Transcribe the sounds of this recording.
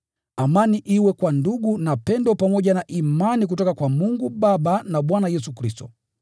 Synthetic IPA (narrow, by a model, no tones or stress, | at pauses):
amaniʔiwɛkwanduɡunapɛndɔpamɔʄanaʔimanik̬utɔkakwamuŋɡuɓaɓanaɓwanajɛsukɾistɔ